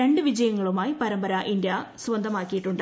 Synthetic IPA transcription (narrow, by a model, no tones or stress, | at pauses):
eɳɖɨʋid͡ʑɐjɐŋːɐɭumaːjipɐɾɐmbɐɾɐʔind̪jɐasʋɐnd̪ʱɐmaːkːijiʈːuɳɖ